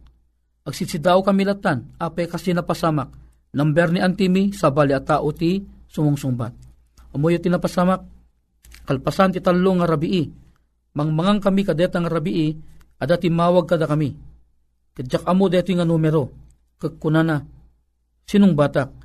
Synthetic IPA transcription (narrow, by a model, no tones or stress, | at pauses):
ʔɐɡ̚sisid̪aːʔokɐmilat̪ːanapɛkasinapasamak̚ | nɐmbɛɾniʔant̪imisabaliat̪aːʔot̪isʊmoŋsʊŋba̰t̪̚ | ʔɐmojot̪inapasamak̚ː | ɐlpasant̪it̪alːoŋaɾabiʔi | mɐŋmaŋaŋkɐmikɐd̪ɛt̪aŋaɾabiʔiʔɐd̪at̪imaːwaɡ̚kɐd̪akɐmi | kɐd͡ʒakʔɐmod̪ɛt̪ujŋanumɛɾo | kəɡ̚kːʊnana | sinʊŋbaːt̪ak̚